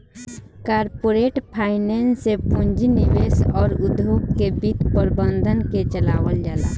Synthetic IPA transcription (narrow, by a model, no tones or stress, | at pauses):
kaːɾpoɾeʈpʰaːɪnensepund͡ʒiniʋesɔːɾud̪ʱokkebit̪pəɾbə̃nd̪ʱənket͡ʃəlaːwəld͡ʒaːla̰ː